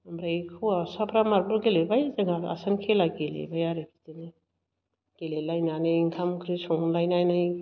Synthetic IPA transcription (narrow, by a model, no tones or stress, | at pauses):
mbɾajkʰuasapʰɾamaɾbuɾɡelebajzeŋaa̰sankʰelaɡelḛbajaɾepʰi̥tenɯ | ɡ̥elelajnanɯŋkʰamkʰɾisɔŋlajnajnaj